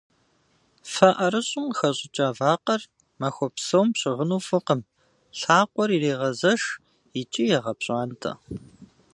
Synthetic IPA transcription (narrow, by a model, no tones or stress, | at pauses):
fɐʔɐɾɨɕʼɪmxɐɕʼɪt͡ʃʼaːvaːqɐr | mɐxʷɔpsɐwmɕʼɪʁənuːfɨqəm | ɬaːqʷʼɔɾireːʁɐzɐʃ | ɪt͡ʃʼijɛʁɐpɕʼaːntʰɐ̰